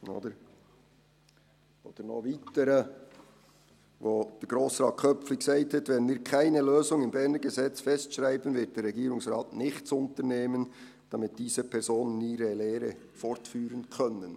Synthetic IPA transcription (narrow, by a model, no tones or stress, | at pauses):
o̰ːdəɾ | ʔo̰ːd̥əɾnɔ̰χviːtəɾə | voːd̥ɛɾɡ̥ɾoːsrɑːt̚kʰœp͡flɪçsaɪtʰətvɛnmiːkʰaɪnəløːzʊŋɪmbɛʁnəɡəzɛt͡sfɛstʃʁaɪbənvɪt̚d̥ɛːɾrːɛɡiːɾʊŋsrɑːtnɪχtt͡sʊntəneːmən | d̥ɑmɪt̚d̥iːz̥əpʰɛɾzoːnəniːɾəleːɾə | fɔɾtfyːɾənkʰœnən